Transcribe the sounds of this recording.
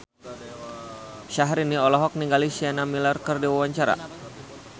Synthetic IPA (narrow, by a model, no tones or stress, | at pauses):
ʃaɦɾiniɔlɔɦɔk̚niŋɡalisianamilarkərdiwawaɲt͡ʃaɾa̰